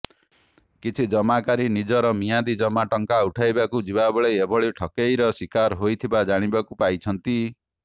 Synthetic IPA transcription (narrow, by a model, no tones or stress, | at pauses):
kit͡ʃʰid͡ʒɔmakaɾinid͡ʒɔɾɔmijad̪id͡ʒɔmaʈɔŋkauʈʰajbakud͡ʒibabeɭeebʱɔɭiʈʰɔkejɾɔswikaɾɦojt̪ʰibad͡ʒaɽ̃ibakupajt͡ʃʰɔnt̪i